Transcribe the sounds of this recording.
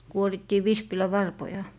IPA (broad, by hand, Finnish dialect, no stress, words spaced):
kuoritːiː ʋispilæʋɑrpojɑ